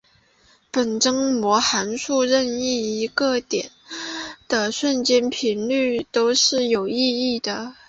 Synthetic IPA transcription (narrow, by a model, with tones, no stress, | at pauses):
pə˨˩nʈ͡ʂɤ˥ŋmwɔ˧˥xa˧˥nʂu˥˧ɻə˥˧ni˥˩i˧˥ɡə˧t̪jɛ˨˩˦nd̪̥ə˦ʂwə˥˧nt͡ɕjɛ˥˩npʰi˧˥nly˥˩t̪o˥ʊʂɻ̩˥˩jo˨˩ʊi˥˧i˥˩d̪ə˩